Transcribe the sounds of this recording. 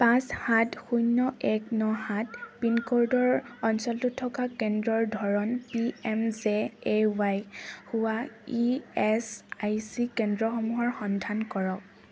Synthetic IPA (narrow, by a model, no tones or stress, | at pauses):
pãshatxujnːɔʔɛknɔhatpinkoɹdɔɹɔnsɔltutʰːɔkakɛndɹɔɹdʱɔɹɔnpiɛmzɛewajhuwaiɛsajsikɛndɹɔxɔmuɦɔɹxɔndʱankɔɹɔk̚